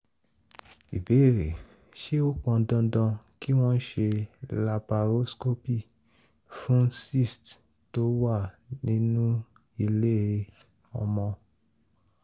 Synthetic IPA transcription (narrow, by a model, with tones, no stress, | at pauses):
ḭ˨be˨˦˨ɾḛ˨ | ʃe˦o˦k͡pɔ̃˧dɔ̃˧dɔ̃˧ki˦w̃ɔ̃˦n̩˦ʃe˧la˧ba˧ɾo˦sko˦pi˦˨ | fũ˦si˦˨st | to˦wa˦˨ | nĩ˦nũ˦ | i˧le˦e˧ | ɔ̰˧mɔ̃˧